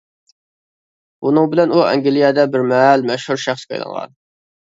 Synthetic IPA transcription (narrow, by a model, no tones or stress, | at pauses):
unɨŋbɪlɛnuɛ̰ŋɡʲilijɛd̪ɛbɪɾmɛɦlmɛʃhuɾʃæχskʲɑ̰jlˠɑ̰nʁɑ̰n